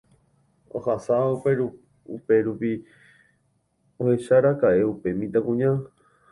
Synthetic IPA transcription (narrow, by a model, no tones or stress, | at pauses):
o̰hasapeɾu | upe̞ɾupi | ohe̞ʃaɾakae̞upe̞mĩt̪akũɲã